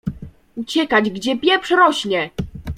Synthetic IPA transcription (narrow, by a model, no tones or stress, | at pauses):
ut͡ɕɛkad͡ʑɡd͡ʑɛpʲjɛfʂɾɔɕɲɛ